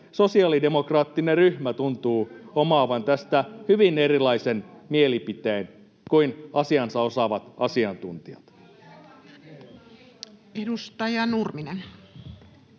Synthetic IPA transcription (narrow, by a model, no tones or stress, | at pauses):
so̞siɑlide̞mokrɑːt̪ːineryhmæt̪unt̪uːomɑːʋɑnt̪æst̪æhyʋinerilɑise̞nmielipit̪eːn | kuinɑsiɑnsɑo̞sɑʋɑt̪ɑsiɑnt̪unt̪iɑt̪ | edust̪ɑjɑnurminen